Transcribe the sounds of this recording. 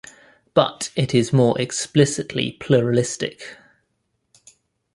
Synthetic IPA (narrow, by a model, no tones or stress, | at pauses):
b̥ʌ̰tɪtʰɪzmɔːɹʔɛksplɪsɪʔʰlḭpʰl̥uːɹəlɪstɪ̰k